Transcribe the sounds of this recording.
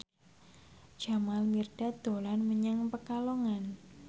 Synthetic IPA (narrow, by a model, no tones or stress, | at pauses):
d͡ʒ̥a̤malmirɖ̥ad̪̥o̤lanməɲaŋpəkaloŋan